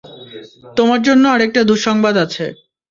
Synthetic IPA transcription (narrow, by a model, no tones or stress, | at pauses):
t̪omaɾd͡ʑonːoaɾek̚ʈad̪uʃɔŋbad̪at͡ɕʰe